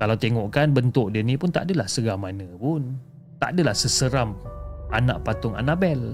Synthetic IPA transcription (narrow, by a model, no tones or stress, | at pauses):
kalawt̪eŋoʔkanbənt̪ʊʔ̚dənipʊnt̪a̰ʔdəlahsəɡamanə̃pʊn | t̪a̰ʔdəlahsəsəɾamanã̰ʔpat̪ʊŋa̰naʔbɛl